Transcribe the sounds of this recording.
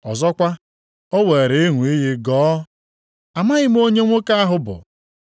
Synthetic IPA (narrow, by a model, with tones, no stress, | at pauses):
ɔ˨zɔ˦kʷa˦ | o˦we˨ɾɪ˨˦ɪ˦ŋʷu˨i˦ɦi˦ɡɔː˦ | a˨ma˦ɲɪ˦m˦o˦ɲe˦ŋʷo˦ka˦a˦ɦʊ˦bʊ̰˨